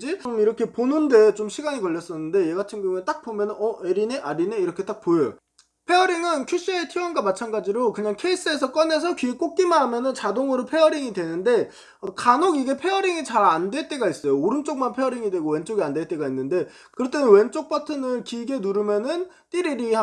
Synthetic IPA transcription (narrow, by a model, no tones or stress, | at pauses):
d͡ʑiomiɾʌkʰe̞ponɯnde̞t͡ɕomɕʰiɡaɲikʌʎːʌs͈ʌnːɯnde̞je̞ɡatʰinɡoŋunet͈ak̚p͈omjʌnɯnʌʔeɾineʔaɾineiɾʌkʰe̞t͈ak̚pojejo̰ | pʰe̞ʌɾiŋɯnkʰuɕ͈ietʰiwʌnɡamat͡ɕʰanɡad͡ʑiɾokɯɲaŋkʰe̞is͈ɯe̞sʰʌk͈ʌne̞s̬ʰʌkɥiek͈ok̚k͈imaɦːmjʌnɯnt͡ɕadoŋɯɾopʰe̞ʌɾiŋidwe̞nɯnde̞ | ʌkanoɡiɡe̞pʰe̞ʌɾiŋit͡ɕaɾandwe̞t͈e̞ɡais͈ʌjooɾɯmt͡ɕ͈oŋmanpʰe̞ʌɾiŋidwe̞ɡowe̞nt͡ɕ͈oɡiandet͈e̞ɡainːɯnde̞ | kɯɾʌt͈ʰemenwe̞nt͡ɕ͈ok̚p͈ʰatʰɯnɯɭkiɡenuɾɯmjʌnɯn | t͈iɾiɾi